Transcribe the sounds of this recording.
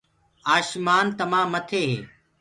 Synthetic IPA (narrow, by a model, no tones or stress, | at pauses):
aːʃmaːnt̪ɐmãːmːɐt̪ʰeːɦḛː